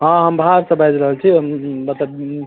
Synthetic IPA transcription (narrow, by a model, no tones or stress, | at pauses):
ɦãɦəmbʱaɾsə̃bajd͡ʒɾəɦəlt͡ʃʰimət̪ləb